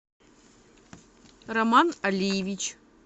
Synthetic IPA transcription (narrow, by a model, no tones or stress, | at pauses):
rɐmanɐlʲijɪvʲit͡ɕ